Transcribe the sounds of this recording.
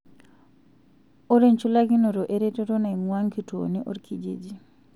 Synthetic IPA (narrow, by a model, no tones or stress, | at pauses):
ɔɾɛnt͡ʃulaɡinɔɾɔʔeɾɛtɔɾɔnajŋwaŋkito̰niʔɔɾkʰid͡ʒḛd͡ʒi